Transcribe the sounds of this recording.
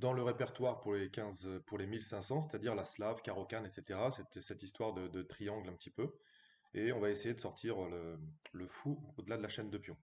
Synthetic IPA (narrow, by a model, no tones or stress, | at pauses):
d̪ɑ̃ləʁepɛʁt̪waʁpuʁlekʲɛ̃zpuʁlemilsɛ̃sɑ̃s̬et̪ad̪iʁlaslavkaʁɔkanet̪set̪eʁasɛt̪sɛt̪ist̪waʁd̪əd̪ət̪χijɑ̃ɡlɛ̃pət̪ʰipø | eɔ̃vaesejed̪əsɔʁt̪ʰiʁlələfuod̪əlad̪əlaʃɛnd̪əpjɔ̃